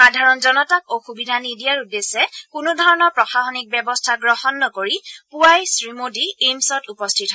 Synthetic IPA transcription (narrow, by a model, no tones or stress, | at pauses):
xadʱaɹɔnzɔnɔtak̚oxubidʱanidijaɹudesɛkunudʱɔɹɔnɔɹpɹɔxaxɔnik̚bɛbɔstʰaɡɹɔhɔnːɔkoɹipuajsɹimodiemsɔtupɔstʰitɦɔ